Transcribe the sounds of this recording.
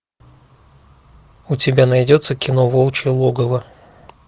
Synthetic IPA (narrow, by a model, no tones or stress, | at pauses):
ʊtʲɪbʲanɐjdʲo̞t̪səkʲɪno̞volˠt͡ɕɪlˠoɡəvə